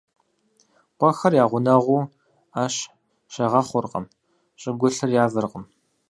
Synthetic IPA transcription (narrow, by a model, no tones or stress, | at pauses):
qʷɔxɐrjaːʁʷʊnɐʁʷuː | aːɕ | ʃɐʁɐχʷʊrqʼɐ̰m | ɕʼɪɡʷʊɬɨrjaːvɨrqʼəm